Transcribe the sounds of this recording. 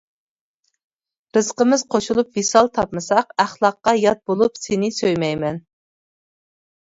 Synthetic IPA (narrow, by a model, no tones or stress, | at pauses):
ɾɨz̥qəmɨz̥qʰoʃulˠupvisɑlˠt̪ʰɑpmɨsɑqæχlˠɑqːɑjɑt̪̚bolˠupsenɪsøjmɛjmɛn